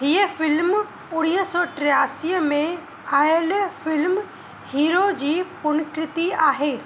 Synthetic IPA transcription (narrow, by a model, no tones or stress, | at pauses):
ɦiefɪlm | ʊɽɪjəsɔʈɾɪaːsiəmẽ | aːlfɪlm | hiːɾod͡ʑiːpʊñkɾɪt̪iaːɦeː